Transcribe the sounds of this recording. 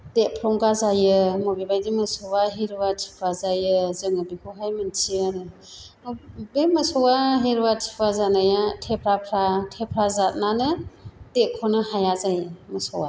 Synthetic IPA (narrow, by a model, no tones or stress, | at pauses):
d̥epʰɾɔŋɡazajɯmɔbibajdimɯsɔwaɦiɾwatʰi̥pʰwazajɯzɯŋɯbikʰɔɦajmɯntʰiənɯ | bemɯsɔwaɦeɾwatʰi̥pʰwazanajatʰepʰɾapʰɾatʰepʰɾazat̚nanɯd̥ekʰɔnɯhajazajmɯsɔwa̰